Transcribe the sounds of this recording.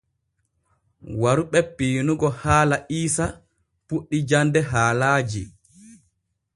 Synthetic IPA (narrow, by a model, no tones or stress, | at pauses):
waɾuɓɛpiːnuɡɔhaːlaʔiːsa | puɗːid͡ʒandɛɦaːlaːd͡ʒi